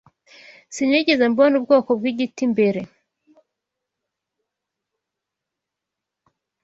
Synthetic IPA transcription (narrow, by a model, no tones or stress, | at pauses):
siɲiɟezambonub̚ɡoːkobɡwiːɟitimbeɾe̞